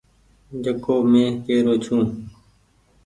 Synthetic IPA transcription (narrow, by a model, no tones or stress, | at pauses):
d͡ʒəkoːmẽːkeːɾoːt͡ʃʰũː